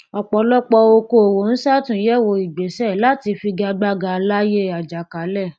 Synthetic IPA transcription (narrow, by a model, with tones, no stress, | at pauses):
ɔ˨k͡pɔ˧lɔ˦k͡pɔ˧o˧ko˧o˨wo˨˦n̩˦sa˦˨tũ˨˦jɛ˦˨wo˧i˨ɡ͡be˨˦sɛ˦˨la˦ti˧fi˧ɡa˧ɡ͡ba˧ɡa˧la˦je˦a˨d͡ʒa˨ka˨˦lɛ˦˨